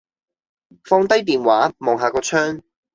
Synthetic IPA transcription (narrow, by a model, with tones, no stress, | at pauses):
fɔː˧ŋt̪ɐ˥jt̪iː˨nwaː˨˥mɔː˨˩ŋɦaː˨˧kɔː˧t͡ʃʰœː˥ŋ